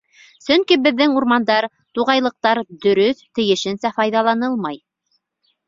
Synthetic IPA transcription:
sɵŋkibɘ̆ðːɘŋuɾmɑnd̪ɑɾ | t̪uʁɑjlˠɤ̆q̚t̪ɑɾd̪ɵ̆ɾɵθt̪ɘ̆jɘ̆ʃɘ̆nsæfɑjðɑlˠɑnɤlˠmɑj

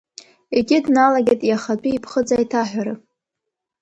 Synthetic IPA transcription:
eɡʲɪdnalaɡʲatʼjaχat͡pʷʼiipʰχəd͡zaitʰaħʷᶣaɾɨ

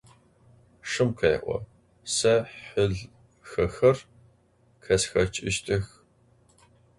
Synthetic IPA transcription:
ʂɨmqʰɐj̰ʔʷɔ̰ | sɐħʊɮ | xɐxɐr | kʰɐsxɐt͡ʃʼɪʃtʼɨx

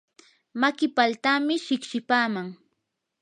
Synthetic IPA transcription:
makɪpalt̪aːmɪʃɪkʃɪpaːmaŋ

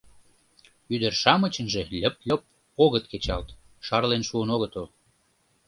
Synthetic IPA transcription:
yd̪ərʃɑmət͡ɕənʒelʲə̆p̚lʲəp̚ | oɣət̪ket͡ɕɑlt̪ | ʃɑrlenʃuənoɣət̪ol

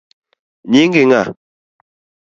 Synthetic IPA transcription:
ɲiŋɡiŋa

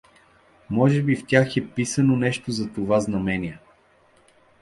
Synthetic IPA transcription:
mɔʒɛbift̪ʲjaxɛpisɐnonɛʃt̪ozɐt̪ovaznɐmɛniɛ

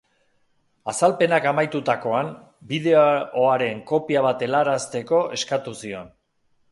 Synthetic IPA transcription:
asalpe̞nakamajt̪ut̪ako̞am | biðe̞ooaɾe̞ŋko̞piaβ̞at̪e̞laɾast̪e̞ko̞ʔe̞skat̪usio̞n

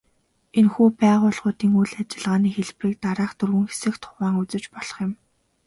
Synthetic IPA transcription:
enxuːpæːʁʊːɮʁʊːt̪iːŋujɮat͡ɕɪ̆ɮʁaːniːxeɮ̆priːk̚t̪aɾaːχt̪ʰɵrɣɵ̆ŋxe̥sɘ̆xt̪ʰʊ̥ʁaːŋut͡sɘ̆t͡ɕpɔɮ̥ɞ̥̆χjɪ̆m

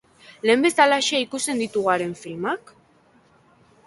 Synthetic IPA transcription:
le̞mbe̞st̪alaʃiaikust̪e̞nd̪it̪uɣaɾe̞ɱfilmak

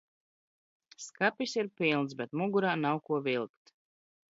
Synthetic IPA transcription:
skapʲisiɾpʲilˠnsbet̪muɡuɾaːnawkuɔvilˠkt̪

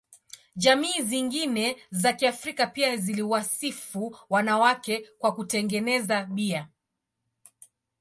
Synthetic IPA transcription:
ʄamiːziŋɡinɛzakiafɾikapiaziliwasifuwanawakɛkwakutɛŋɡɛnɛzaɓia

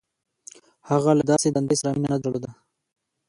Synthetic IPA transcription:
haɣalad̪ɑsed̪and̪esɾɑminanad̪ɾalod̪a

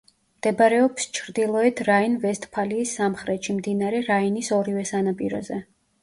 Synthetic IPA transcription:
md̪̥ɛbɾɛɔpst͡ʃʰɾd̪ilˠɔɛt̪ʰɾainvɛst̪ʰʼpʰaliːsːamχɾɛt̪ʃimd̪inaɾɛɾainisɔɾivɛsanapʼiɾɔ̰zɛ

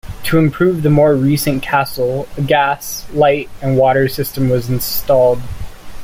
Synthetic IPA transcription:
tʰəɨ̃mpʰɹ̥ʉvðɨmɔɹɹisɨ̃nkʰæsl̩ˠəɡæslaɪɾɨ̃nwɔɾə˞sɪstə̃mwʌzn̩stɔlˠd̥

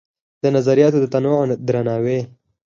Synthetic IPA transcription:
d̪ənazaɾijɑt̪od̪ət̪anwoʕnd̪ɾanɑːwe

